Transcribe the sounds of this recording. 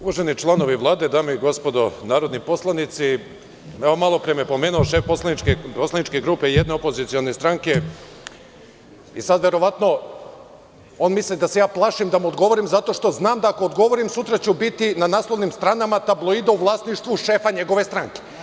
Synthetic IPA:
uʋaʒenit͡ʃlˠano̞ʋiʋlˠaːd̪e̞d̪aːmeiɡo̞spo̞d̪o̞naːɾo̞d̪nipo̞slˠanit̪si | ɛʋomalˠo̞pɾemepo̞me̞ːnuoʃefposlˠanit͡ʃkeposlˠanit͡ʃke̞ɡɾuːpe̞ijed̪ne̞opo̞zit̪sio̞ne̞st̪ɾaŋke̞ | isad̪ʋe̞ɾo̞ʋat̪no̞ | o̞nmislid̪ase̞jaːplˠaʃimd̪amuod̪ɡo̞ʋo̞ɾimzat̪o̞ʃt̪o̞znaːmd̪aːko̞od̪ɡo̞ʋoɾimsut̪ɾat͡ɕubit̪inanaːslˠo̞ʋnimst̪ɾaːnamat̪ablˠo̞id̪auʋlˠasniʃt̪ʋuʃe̞ːfaɲe̞ɡo̞ʋe̞st̪ɾaŋke̥

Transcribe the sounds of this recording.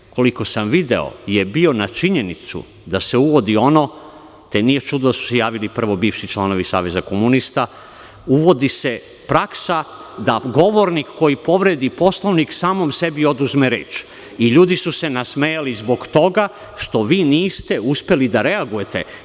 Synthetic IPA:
ko̞liko̞samʋid̪e̞̰o̰jebio̞nat͡ʃiɲe̞nit̪sṵ | d̪aseuʋo̞d̪io̞no̞ | t̪eniːjet͡ʃud̪od̪asu̥sejaːʋilipr̩ʋo̞biːʋʃit͡ʃlˠano̞ʋisa̰ːʋe̞zakomunist̪a | uʋo̞d̪ise̞ | pɾaksad̪aɡo̞ʋoɾnikːo̞jipo̞ʋɾe̞d̪ipo̞slˠoʋniksaːmomse̞bio̞d̪uzmeɾḛːt͡ʃ | iʎuːd̪isuse̞nasmejalizbo̞ɡt̪o̞ɡa | ʃt̪o̞ʋiːniːst̪e̞uspelid̪aɾe̞aɡuje̞t̪e̞

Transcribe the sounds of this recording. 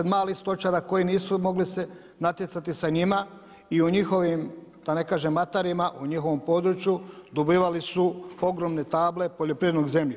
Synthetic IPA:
ed̪maːlixst̪o̞t͡ʃaɾako̞jiniːsumo̞ɡlise̞ | nat̪jet̪sat̪isaɲima | iuɲixo̞ʋimd̪̥ane̞kaːʒemːat̪aɾimaʔuɲixo̞ʋo̞mpo̞d̪ɾut͡ʃjud̪obiːʋalisuo̞ɡɾo̞mne̞t̪aːble̞po̞ʎo̞pɾiːed̪noɡze̞mʎe

